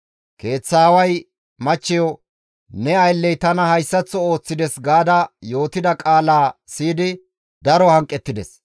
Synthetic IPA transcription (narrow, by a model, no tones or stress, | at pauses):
ke̞ːt͡sːaːwɐj | mɐt͡ʃːɛjɔ | nɛɐjlːɛjt̪ɐnɐhɐjsːɐt͡sːɔo̞ːt͡sːɪd̪ɛsɡaːd̪ɐjo̞ːt̪ɪd̪ɐkʼaːlaːsiːd̪ɪ | d̪ɐɾɔhɐŋkʼːɛt̪ːɪd̪ɛs